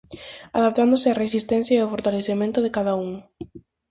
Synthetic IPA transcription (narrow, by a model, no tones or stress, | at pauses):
aðap̚t̪and̪osɪaresist̪ɛnθjaeofoɾt̪aleθemẽnt̪ʊðekaðauŋ